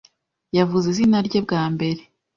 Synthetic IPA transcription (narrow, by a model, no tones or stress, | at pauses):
javuzizinaɾɟobɡaːmbe̞ɾe